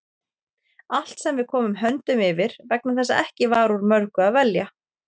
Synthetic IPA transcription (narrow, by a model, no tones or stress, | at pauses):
al̥t̪sɛmvɪð̥kʰɔːmʏmɦœnt̪ʏmɪvɪɾ̥vɛk̚naθɛsːaɛhcɪvaɾuɾmœɾkʏaðvɛlja